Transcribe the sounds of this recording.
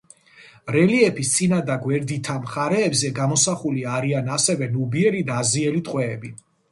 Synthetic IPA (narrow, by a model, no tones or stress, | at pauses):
ɾɛliɛpʰist̪sʼinad̪aɡwɛɾd̪it̪ʰamχaɾɛːbzɛɡamɔsaχuliaɾianasɛvɛnubiɛɾid̪aːziɛlit̪ʼqʼwɛːbi